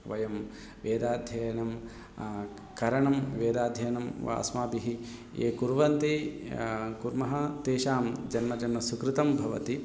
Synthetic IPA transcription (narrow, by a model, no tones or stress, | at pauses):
ʋɐjɐm | ʋeːd̪aːd̪ʱjɐjɐnɐm | kɐɾɐɳɐmʋeːd̪aːd̪ʱjɐjnɐmʋa̰ːsmaːbiɦi | ḛːkuɾʋɐnt̪i | kuɾmɐɦɐt̪eːʃaːmd͡ʒɐnmɐd͡ʒɐnmɐsukɾɪt̪ɐmbʱɐʋɐ̰t̪i